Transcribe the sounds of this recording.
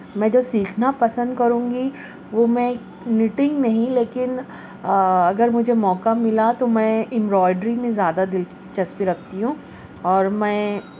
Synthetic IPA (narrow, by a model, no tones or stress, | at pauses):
mɛ̃ːd͡ʒoːsiːkʰnapɐsə̃nd̪̚kɐɾũːŋɡi | ʋomɛ̃ | nɪʈɪ̃ŋɡnɐɦĩleːkɪn | ɐɡəɾmʊd͡ʒʱemɔːkamɪlat̪omɛ̃ːɪ̃mbɾɔːɪɖɾimẽzjaːd̪ad̪ɪl | t͡ʃɐspiɾɐk̚ʰt̪iɦũː | ɔːɾmɛ̃ː